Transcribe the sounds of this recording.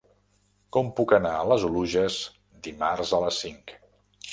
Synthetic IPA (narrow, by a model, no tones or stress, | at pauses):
kɔmpukənaələzuluʒəs | d̪imarzələsiŋk